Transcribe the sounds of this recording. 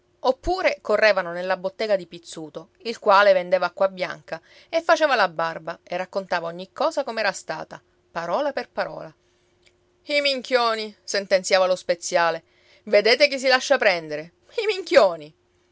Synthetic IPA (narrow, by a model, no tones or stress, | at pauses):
opːuːɾekorːeːvanonelːabot̪ːeːɡad̪ipit̪sːuːt̪o | ilkwaːlevend̪eːvakːwabːja̰ŋka | efːat͡ʃeːvalabːarbaerːakːont̪aːvaoɲːikːɔːzakomeɛːɾast̪a̰ːt̪a | paɾɔːlaperpaɾɔ̰ːla | imiŋkʰjoːnisent̪ensjaːvalospet̪sːjaːle | ved̪eːt̪ekis̬ilaʃːapɾɛnd̪eɾe | imiŋkjoːni